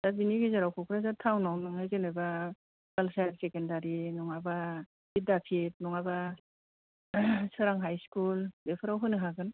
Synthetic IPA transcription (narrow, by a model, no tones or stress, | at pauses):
z̥abiniɡizaɾawkʰɔkʰɾazatʰawnawnɯŋajzenajba | ɡalsajɾsekendaɾinɔŋaba | bit̚dapʰit̚nɔŋaba | sɯɾaŋɦajskulbepʰɯɾawɦɯnɯɦaɡɯn